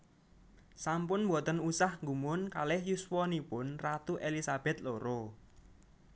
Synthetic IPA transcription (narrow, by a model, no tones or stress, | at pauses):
sampʊnbɔt̪ənusahŋɡumʊnkalɪhjuswɔnipʊnrat̪uʔelisab̥ɛ̤t̪loɾo